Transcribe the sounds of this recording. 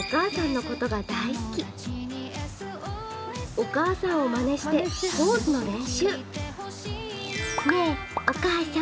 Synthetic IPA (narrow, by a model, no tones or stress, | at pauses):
okaːsãnːo̞ko̞t̪o̞ɡad̪aiskʲi | o̞kaːsãɰ̃o̞mane̞ɕi̥t̪e̞ho̞ːzɨno̞ɾẽ̞ɰ̃ɕɨː | ne | okaːsa